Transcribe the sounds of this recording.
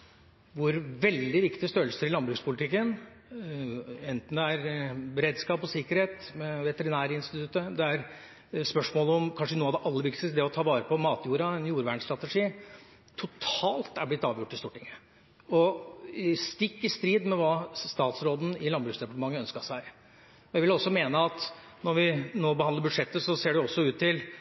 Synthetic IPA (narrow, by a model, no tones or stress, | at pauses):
ʋʊɾʋɛld̪ɪʋɪkt̪ɪəst̪øːlsəɾɪlɑnbɾʉːkspʰʊlɪt̪ʰɪkːən | ɛnt̪n̩d̪ɛæɾbɛɾeːd̪skɑːpɔsɪkːəɾheːt̪mɛʋɛt̪əɾɪnæːɾəɪnst̪ɪt̪ʰʉt̪ːəd̪ɛæɾ | spœʂmoːləɔmkʰɑnʂənuːɑʋd̪ɛʔɑlːəʋɪkt̪ɪd̪ɛɔt̪ʰɑːʋɑːɾəpʰɔmɑːt̪juːɾɑɛnjuːɾʋæːɳst̪ɾɑt̪əʂiː | t̪ʰʊt̪ʰɑːlt̪æɾblɪt̪ːɑːʋjʊʈːɪst̪uːʈɪŋːə | ɔ | st̪ɪkːɪst̪ɾiːd̪mɛʋɑːst̪ɑːt̪sɾoːd̪n̩ɪlɑnbɾʉksd̪ɾɛpɑʈəmɑŋːəœnskəʂæɪ | jæʋɪlɔsːɔmeːnəɑt̪ | nɔɾʋɪnoːbəhɑnd̪əɾbʉd̪ʂɛt̪ːəsɔseːɖɛɔsːɔʉːt̪ʰːɪl